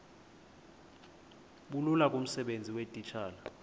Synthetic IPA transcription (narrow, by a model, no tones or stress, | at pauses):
ɓululak̬ʼum̩sɛɓend͡zʱiwetʼit͡ʃʰaːla